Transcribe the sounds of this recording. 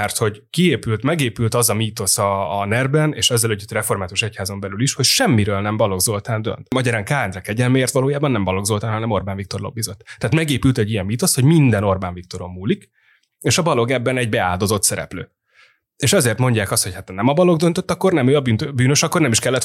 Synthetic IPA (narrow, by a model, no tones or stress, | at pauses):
ɛrt̪ho̞ɟkieːpylt̪mɛɡeːpylt̪ɒzɒmiːt̪o̞sɒːnɛrbɛnḛːʃɛzːɛløɟyt̪rɛfo̞rmaːt̪uʃɛchaːzo̞mbɛlyliʃho̞cʃɛmːiɾøːlnɛmbɒlo̞ɡzo̞lt̪aːnd̪ø̰nt̪mɒɟɛɾaːŋkaːɛnd̪rɛkɛɟɛlmeeːrt̪ʋɒloːjaːbɒnːɛmbɒlo̞ɡzolt̪aːnɦɒnɛmo̞rbaːnɱvik̚t̪o̞rlo̞̰bːizot̪ːt̪ːɛaːt̪mɛɡeːpylt̪ɛɟːijɛnmiːt̪o̞sho̞ɟmind̪ɛno̞rbaːɱvik̚t̪o̞ɾo̞mːuːlik | eːʃɒbɒlo̞ɡɛbːɛnɛɟbɛa̰ːld̪o̞zo̞t̪sɛɾɛ̰plø̰ː | eːʃɛzeːrt̪mo̞ɲɟaːkɒst̪ho̞chat̪nɛmɒbɒlo̞ɡd̪ønt̪øt̪ːɒkːo̞rnɛmøːɒbyːnt̪øbyːnøʃɒkːo̞rnɛmiʃkɛlːɛt̪